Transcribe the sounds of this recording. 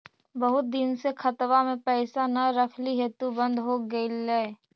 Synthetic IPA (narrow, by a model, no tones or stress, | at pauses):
bəɦʊt̪̚d̪ɪnsekʰɐt̪wamẽpɛːsanɐɾəkʰliɦɛt̪ubə̃nd̪ɦoɡəilɛe